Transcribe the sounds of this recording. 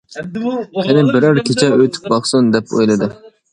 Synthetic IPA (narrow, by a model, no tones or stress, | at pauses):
qʲʰɪnɪbɪɾæɾkʲʰet͡ʃʰɛøjt̪ʰɪ̥k̚bɑχsund̪ɛpʰo̰jlˠɨd̪ɨ